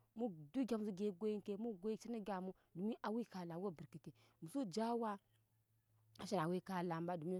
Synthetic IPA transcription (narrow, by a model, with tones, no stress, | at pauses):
mu˦du˦ɡʲa˨mu˨˦zu˦ɡe˦ɡo˦ji˦ŋke˦mu˦ɡo˦i˦t͡ʃi˦ni˦ɡʲa˨mu˦ | du˨m˦i˦ʔa˨wi˦ka˨la˨˦wo˦˨bi˨ɾki˨te˨ | mu˨su˦d͡ʒa˦wa˦ | a˨ʃi˦na˨wi˦ka˦la˨mba˦du˨m˦